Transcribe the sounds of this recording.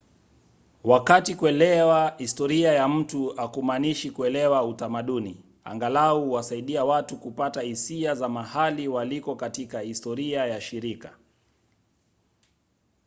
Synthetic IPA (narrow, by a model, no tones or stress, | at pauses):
wakatikuɛlɛwahistɔɾiajam̩tuakumaniʃikuɛlɛwautamaɗuni | a̰ŋɡalauwasaiɗiawatukupatahisiazamahaliwalikɔkatikahistɔɾiajaʃiɾika